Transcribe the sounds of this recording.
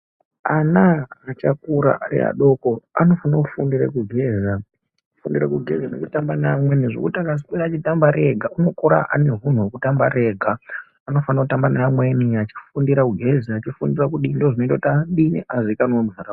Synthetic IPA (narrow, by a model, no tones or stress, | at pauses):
anaat͡ʃakuɾa̰ʔaɾḭa̰ɗo̞ko̞a̰no̞fanaufundirḛkuɡʱe̞za | ufundiɾakuɡʱe̞̰zano̰t͡ʃitambanamwe̞niʐo̰kutakazikweɾaːt͡ʃitambaɾe̞ɡʱauno̞koɾa̰ʔa̰ne̞ɦun̤uwokutambaɾe̞ɡʱaː | no̞fanakutambanamwe̞niat͡ʃi̥fundiɾakuɡʱe̞ziat͡ʃifundirakuɗindoʐino̞itataɗinḭʔazikanowomuɦara